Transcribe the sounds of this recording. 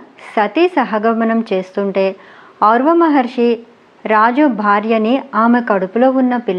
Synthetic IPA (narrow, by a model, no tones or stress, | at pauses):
sɐt̪isɐɦɐɡɐmɐnɐmt͡ʃe̞ːst̪uɳʈeː | ɐwɾʋɐmɐɦɐɾʂi | ɾaːd͡ʒubʱaːɾjɐniaːmekɐɽupulo̞ːunːɐpilː